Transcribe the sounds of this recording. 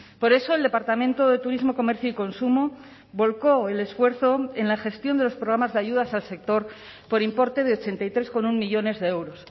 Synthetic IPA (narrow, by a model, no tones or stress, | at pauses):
po̞ɾe̞so̞eld̪e̞paɾt̪amẽnt̪o̞ðe̞t̪uɾizmo̞ko̞me̞ɾθjoiko̞nsumo | βo̞lko̞ele̞sfwe̞ɾθo̞e̞nlaxe̞st̪jo̞nd̪e̞lo̞spɾoɣ̞ɾamazðeaʝuð̞asalse̞k̚t̪o̞ɾ | po̞ɾimpo̞ɾt̪e̞ð̞eo̞t͡ʃe̞nt̪ajt̪ɾe̞sko̞nuŋmiʎo̞ne̞zðeewɾo̞s